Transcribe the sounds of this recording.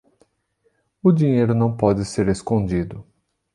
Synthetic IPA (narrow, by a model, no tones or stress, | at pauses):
ʊd͡ʒĩɲejɾʊnɐ̃w̃pɔd͡ʒɪseɾeskõd͡ʒid̪ʊ